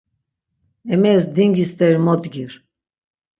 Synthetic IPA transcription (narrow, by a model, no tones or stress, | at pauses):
ɛmɛsd̪iŋɡist̪ɛɾmɔt̪ɡiɾ